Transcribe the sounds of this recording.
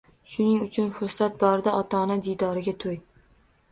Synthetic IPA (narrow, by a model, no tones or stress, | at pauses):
ʃʊnɪŋʊt͡ʃʰʊnfʊɾsat̪̚bɒɾɪd̪aʔɒt̪ʰɒnad̪ijd̪ɒɾɪɡʲat̪ʰoj